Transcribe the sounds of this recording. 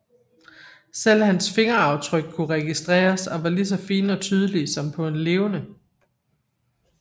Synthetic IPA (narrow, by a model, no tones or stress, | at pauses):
sel̰hænsfe̝ŋɐɑ̈ʊt͡sʰʁœɡ̥̚kʰuʁɛɡ̥isd̥ʁɛ̰ːɐsɒ̽ʋɑ̈lis̬ɒ̽fiːnɒ̽t͡sʰyːð̞ˠəlisɒ̽mpʰɒ̽e̝nle̝ːʊnə